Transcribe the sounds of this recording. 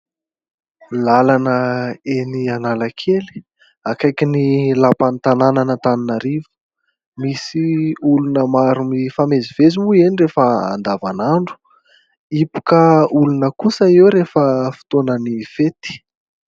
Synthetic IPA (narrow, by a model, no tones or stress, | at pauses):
lalanəenianalakʰeli̥ | akajkʲinilapant̪anananət̪aninaɾivə̥ | misiulunəmaɾumifamezivezimuenirefəa̰nd̪avanaɳɖ͡ʐu̥ | ipu̥kəulunəkusəewɾefəfi̥t̪onənifet̪i̥